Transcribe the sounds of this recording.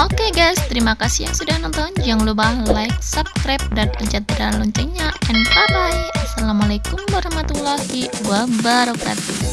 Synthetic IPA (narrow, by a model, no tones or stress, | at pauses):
ʔokeɡast̪əɾimakasijaŋsudahnɔnt̪ɔnd͡ʒaŋlubahlaik̚sapkɾap̚danəd͡ʒat̪̚əɾanlɔɲt͡ʃɛɲaʔɛnpaɾajʔasalamalekumwaɾahmat̪ulahiwabaɾɔka̰t̪u